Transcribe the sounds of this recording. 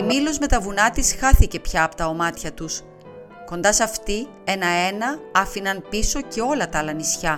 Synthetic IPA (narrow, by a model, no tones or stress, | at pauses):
milo̞zme̞t̪ɐvunɐt̪isxɐθice̞pçɐːpo̥t̪ɐomɐt̪çɐt̪us | ko̞nd̪ɐsɐft̪i | e̞nɐe̞nɐɐfinɐnpiso̞ce̞o̞lɐt̪ɐlɐnisçɐ